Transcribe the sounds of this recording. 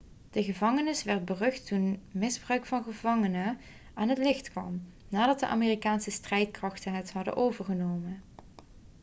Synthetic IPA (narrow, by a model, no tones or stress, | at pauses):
d̥əχəvɑŋənɪsʋɛɹd̚bərɵktunmɪzbrœɥkfɑnχəvɑŋənə | aːnɦətlɪχtkʋɑ̰m | naːdɑt̚də̰ʔa̰ːmeːrikaːnsəstrɛjtkrɑχtəɦətɦɑdə̰nʔowvəɹχənowmə